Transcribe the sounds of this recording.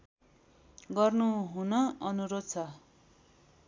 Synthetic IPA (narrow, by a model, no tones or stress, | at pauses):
ɡʌrnuɦunʌʌnuɾod̪̚t͡sʰʌ